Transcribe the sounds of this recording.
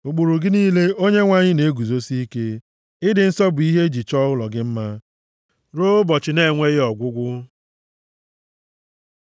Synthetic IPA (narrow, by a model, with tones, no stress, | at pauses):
u˨k͡pu˨ɾu˨ɡɪ˦niː˦le˦o˦ɲe˦ŋʷa˦ɲɪ˦ne˨˦ɡu˨zo˦si˦ke˦ | ɪ˦dɪ˨n̩˦sɔ˦bʊ˨i˦ɦe˦d͡ʒi˨t͡ʃɔ˦ɣʊ˦lɔ˨ɡɪ˦m̩˦ma˦ | ɾo˦ʊ˦bɔ˨t͡ʃɪ˨ne˦˨ŋʷe˦ɣɪ˦ɔ˨ɡʷʊ˦ɡʷʊ˦